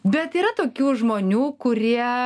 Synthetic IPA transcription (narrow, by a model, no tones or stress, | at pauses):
bʲɛt̪iːɾɐt̪oːkʲuːʒmoːnʲuːkʊɾʲiɛ